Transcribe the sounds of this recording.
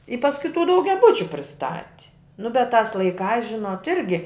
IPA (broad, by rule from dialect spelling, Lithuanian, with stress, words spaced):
ɪ pɐsˈkʊɪ tuː dɐʊɡʲɛˈbʊt͡ʃʲʊ pʲrʲɪˈstɑːtʲɪ nʊ bʲɛt tɑːs lˠɐɪˈkɑːs ˈʒʲɪnoːt ˈɪrʲɡʲɪ